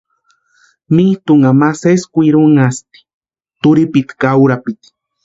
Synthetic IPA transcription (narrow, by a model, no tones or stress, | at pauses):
miht̪uŋamaseskʷiɾuŋast̪i̥ | t̪ʊɾipit̪kawɾapit̪